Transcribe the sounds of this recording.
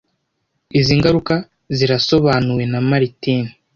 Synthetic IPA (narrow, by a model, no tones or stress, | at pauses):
iziːŋɡaɾuka | ziɾaso̞βaːnuwe̞namaɾitiːni